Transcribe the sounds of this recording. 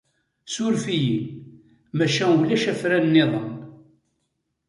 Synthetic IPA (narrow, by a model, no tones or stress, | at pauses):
sʊɾfijin | mæʃæwlæʃæfɾænːɪðˤən